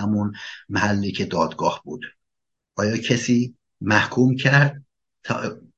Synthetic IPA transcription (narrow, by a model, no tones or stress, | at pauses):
æmunmæhælːiːcʰed̪ɒːd̪ɡɒːhb̥uːd̪ | ʔɒːjɒːcʰesiː | mæhkʰuːmcʰæɾd̪̚ | t̪ʰː